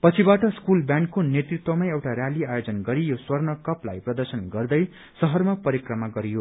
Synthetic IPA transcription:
pʌt͡sʰibaʈʌskulbjãnɖkːonjet̪rit̪wʌmajewʈaɾjaliajod͡zʌnɡʌɾijoswʌrnʌkʌpla̰jprʌd̪ʌrsʌnɡʌrd̪ʌj | sʌɦʌrmapʌɾikrʌmaɡʌɾijo

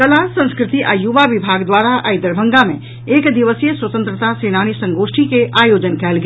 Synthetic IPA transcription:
kəlasə̃nskɾɪt̪iʔajuʋaʋibʱaːɡd̪waːɾaʔaːjd̪əɾbʱə̃ŋɡamẽ | eːkd̪iʋəsijəswət̪ə̃nt̪ɾət̪aseːnaːñisə̃ŋɡoːʃʈʰikeʔaːjoːd͡ʒənkɛːlɡ

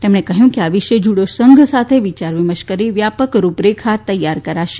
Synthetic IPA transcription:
t̪emɳekəɦjũkeaʋiʃed͡ʒuɽosəŋɡʱsat̪ʰeʋit͡ʃaɾʋiməʃkəɾiʋjapəkɾupɾekʰat̪ːəjːaɾkəɾaʃe̥

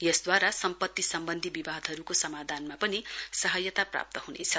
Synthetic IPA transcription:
jʌsd̪waɾasʌmpʌt̪ːisʌmbʌnd̪ʱibibad̪ʱɦʌɾukosʌmad̪ʱanmapʌnisʌɦʌjʌt̪apra̰p̚t̪ʌɦunḛt͡sʰʌ

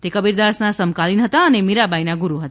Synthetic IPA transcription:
t̪ekəbiɾd̪asnasəmkalinɦət̪aənemiɾabʱajnaɡuɾuɦət̪a

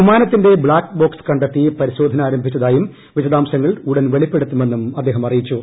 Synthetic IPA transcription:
imaːnɐt̪ːinde̞bɭaːkbo̞ːkskɐɳɖɐt̪ːipɐɾiɕo̞ːd̪ʱɐnaːɾɐmbʱit͡ɕːɐðaːjum | ʋiɕɐðaːmɕɐŋːɐɭuɽɐnʋe̞ɭipːe̞ɽut̪ːume̞nːumɐd̪ːeːɦɐmɐrijit͡ɕːu

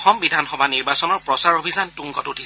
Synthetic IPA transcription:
xɔmbidʱanxɔbaniɹbasɔnɔɹpɹɔsaɹobʱizantuŋɡɔtutʰis

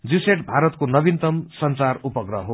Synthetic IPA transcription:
d͡ziseʈbʱaɾʌt̪konʌbint̪ʌmsʌnt͡sarupʌɡrʌɦo

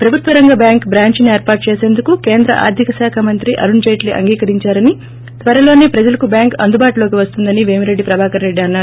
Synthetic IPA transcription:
pɾɐbʱut̪ʋɐɾɐŋɡɐbjaːŋkbɾaːɲt͡ʃnieːɾpaːɾʈ̚t͡ʃeːseːnd̪ukuke̞ːnd̪ɾɐ̰ʔa̰ːɾd̪ʱikɐsaːkʰamɐnt̪ɾiʔɐ̰ɾund͡ʒɐjʈliʔɐ̰ŋɡiːkɐɾiɲt͡ʃaːɾɐni | t̪ʋɐɾɐlo̞ːneːpɾɐd͡ʒɐlɐkubjaːŋkɐ̰nd̪ubaːʈulo̞ːkiʋɐst̪und̪ɐniʋeːmiɾe̞ɖːipɾɐbʱaːkɐnɾe̞ɖːiɐnːaː

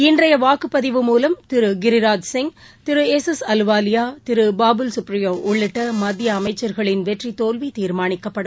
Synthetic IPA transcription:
ɪndrɐjɐʋaːkɯpːɐðɪʋɯmuːlɐmt̪ɪɾɯɡɪɾɪɾaːd͡ʒsɪŋ | t̪ɪɾɯɛsɛsɐlʋaːlɪjaːt̪ɪɾɯbaːbɯlsʊprɪjoːʔʊɭːɪʈːɐmɐd̪ːɪjɐːmɐɪt͡ʃːɐɾɣɐɭɪnʋɛʈrit̪oːlʋit̪iːɾmaːnɪkːɐpːɐɽɯm

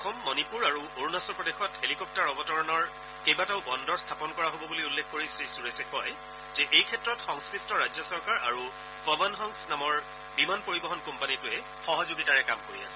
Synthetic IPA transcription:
kʰɔmːɔnipuɹaɹuoɹunasɔpɹɔdexɔthelikɔp̚taɹɔbɔtɔɹɔnɔɹ | kejbataʊbɔndɔɹstʰapɔnkɔɹaɦobɔbuliulːekʰkoɹisɹisuɹesɛkɔj | zɛʔejkʰɛtɹɔtxɔŋskɹistʰɔɹajd͡ʑjɔsɔɹkaɹʔa̰ɹu | pɔbanɦɔŋsnamɔɹ | bimanpoɹibɔɦɔnkɔmpanitʊɛ | xɔɦɔzoɡitaɹɛkamkoɹia̰sɛ̥

